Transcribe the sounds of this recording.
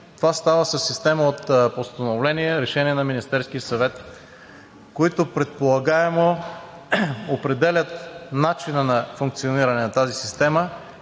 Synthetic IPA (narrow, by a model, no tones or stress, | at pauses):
t̪ovast̪avəsɐsːist̪ɛməot̪post̪ɐnovlɛniɛɾɛʃɛniɛnɐminist̪ɛɾskijəsɐvɛt̪ | koit̪opɾɛt̪̚polˠɐɡaɛmo | opɾɛd̪ɛlʲət̪nat͡ʃinənɐfʊŋk̚t̪sioniɾɐnɛnɐt̪azisist̪ɛmə